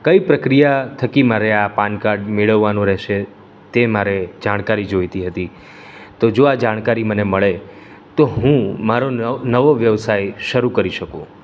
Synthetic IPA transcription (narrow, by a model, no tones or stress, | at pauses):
kəipɾəkɾijat̪ʰəkimaɾeapankaɾɖmeɭəʋːanũɾɛɦʃe | t̪emaɾed͡ʒaɽ̃kaɾid͡ʒojt̪iɦət̪i | t̪od͡ʒoad͡ʒaɽ̃kaɾiməneməɭe | t̪oɦũmaɾonəʋoʋjəʋsajʃəɾukəɾiʃəkṵ̃